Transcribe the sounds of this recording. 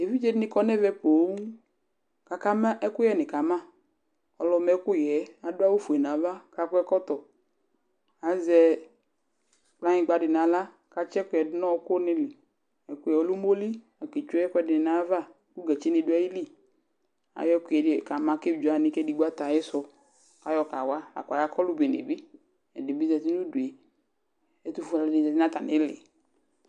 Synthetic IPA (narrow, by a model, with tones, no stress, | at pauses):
e˨vi˦d͡ʒe˦dɪ˦nɪ̃˦kɔ˦nɛ˦vɛ˧po˨˦ŋ˦ | ka˨ka˦ma˦ʔɛ˦kʊ˦jɛ˨nɪ˨ka˨mã˦ | ɔ˨lɔ˧mɛ˨˦kʊ˦jɛ˨˦a˨da˦wu˦fu˨ɛ˨nã˨va˦ka˧kʊ˦ɛ˦kɔ˦t̪ɔ˨ | a˨zɛ˧ | k͡pla˦ɲɪ̃˧˨ɡ͡ba˧dɪ˨na˨˦la˦ | ka˧t͡ʃɛ˦kʊ˨˦ɛ˨dɪ˨˦nɔ˦˧˦kʊ˦nɪ˧lɪ˨ | ɛ˨kʊ˦jɛ˨ɔ˨lu˦mo˦li˦ | a˨ke˨t͡ʃu˦ɛ˦kɛ˧˦dɪ˨n˨na˨˦va˦˨ | ku˦ɡɛ˨t͡ʃe˦ni˧du˦ɛ˦ji˦li˦ | a̰˨jɔ˦kʷɛ˨ka˨ma˧ke˦bd͡ʒa˨nɪ˧kɛ˦di˧˦ɡ͡ba˦ta˨jɛ˦sɔ˧ | ka˨jɔ˧ka˨wa˦a̰˨kʷa˨ja˦kɔ˦lu˦be˨nḛ˨bi˦ | ɛ˨di˨bi˦zɛ˨ti˦nu˦du˨e˨ | ɛ˨˦tu˧fu˦˧la˨˦di˨zɛ˨ti˦a˦ta˨nɪ˨˦lɪ̰˨